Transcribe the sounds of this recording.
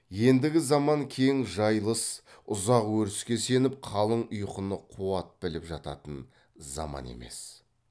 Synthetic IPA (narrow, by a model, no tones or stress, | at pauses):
je̞nd̪ɪɡʲɪzɑmɑŋkʲʰe̞ŋʒɑjlˠəsʊzɑqwɵɾɪskʲe̞se̞nɪp̚qʰɑlˠəɴʊjqənəqʰuɑt̪̚bɪlɪpʒɑt̪ɑ̰t̪ən | zɑ̰mɑ̰ne̞̰me̞̰s